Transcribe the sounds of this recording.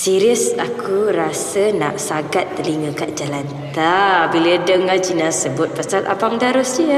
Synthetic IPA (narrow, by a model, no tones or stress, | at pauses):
siɾiəsakʰuɾasəna̰ʔsaɡat̪ːəliŋəkaʔd͡ʒalant̪abilədəŋad͡ʒinasəbʊt̪̚pasat̪a̰paŋdaɾosi